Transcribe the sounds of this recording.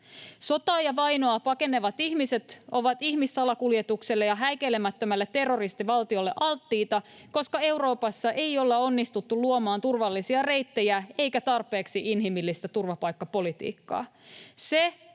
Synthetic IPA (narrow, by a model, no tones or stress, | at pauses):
so̞t̪ɑːjɑʋɑjno̞ɑpɑke̞ne̞ʋɑt̪içmise̞t̪o̞ʋɑt̪içmisːɑlɑkuljet̪ukselːejɑɦæjkelemæt̪ːømælːet̪ːe̞rːo̞rist̪iʋɑlt̪io̞lːeʔɑlt̪ːiːt̪ɑko̞skɑe̞wɾo̞ːpɑsːɑʔe̞jo̞lːeo̞nːist̪ut̪ːuluomɑːnt̪urʋɑlːisiɑre̞jt̪ːejæe̞jkæt̪ɑrpe̞ːksiʔinɦimilːist̪æt̪urʋɑpɑjkːɑpo̞lit̪ḭːkːɑ̰ːse